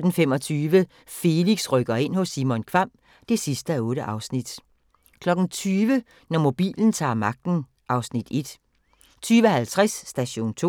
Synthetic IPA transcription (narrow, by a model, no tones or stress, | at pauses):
d̥n̩fem̰ɒ̽t͡sʰyːʋə | fe̝liɡ̥sʁœɡ̥ɐe̝n̰hɔ̽sːimɔ̽nkʰʋɑ̈m̰ | d̥e̝sisd̥əæɔ̽ːɾəʔɑ̈ʊsnid̥ | kʰlɒ̽ɡ̥n̩t͡sʰyːʋə | nɒmo̝b̥ḭːln̩t͡sʰɑ̰̈ːmɑ̈ɡ̥̚d̥n̩ | ʔɑ̈ʊsnid̥e̝d̥ | t͡sʰyːʋəhælt͡sʰʁasːd̥æɕo̝̰ːnt͡sʰo̝̰ː